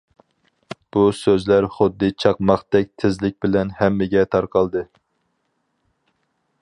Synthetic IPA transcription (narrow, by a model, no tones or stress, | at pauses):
b̥usøzlæɾχʊd̪ːɨt͡ʃʰɑqmɑχd̪ɛk̚ʲt̪ʰɪzlɪk̚ʲbɪlɛnhɛmːɪɡʲɛt̪ʰɑɾqʰɑlˠd̪ɨ